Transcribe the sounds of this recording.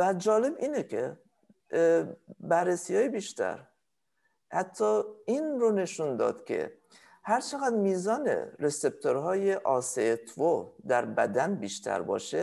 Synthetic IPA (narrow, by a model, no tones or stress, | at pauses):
væd͡ʒɒːle̞biːnecʰe | bærːesiːjɒːjebiːʃt̪ʰæ̰ɾ | hæt̪ʰːɒːinrone̞ʃund̪ɒ̰ːd̪̥cʲʰe̞̰ | hæɾt͡ʃʰeɣæd̪miːzɒːnḛɾesep̚t̪ʰoɾɦɒːjeʔɒːset̪ʰvod̪æɾbæd̪ænbiːʃt̪ʰæ̰ɾbɒ̰ːʃe